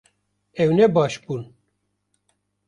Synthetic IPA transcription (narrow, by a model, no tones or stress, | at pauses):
ɛwnɛbɑːʃbuːn